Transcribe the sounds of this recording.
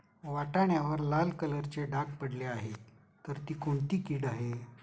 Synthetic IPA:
ʋaʈaɳjaʋəɾlalkələɾt͡ɕeɖaɡpəɽleaɦe | t̪əɾt̪iːkoɳt̪iːkiːɽaɦe

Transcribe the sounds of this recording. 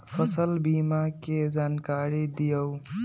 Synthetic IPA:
pʰəsəlbiːmaked͡ʒaːnkaːɾid̪ijəw

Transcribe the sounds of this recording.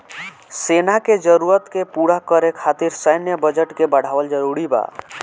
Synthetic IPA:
senaked͡ʒəɾuɾət̪kepuɽakəɾekʰat̪iɾsəjnjəbəd͡ʒəʈkebəɽ̤aʋəld͡ʒəɾuɾiba̰

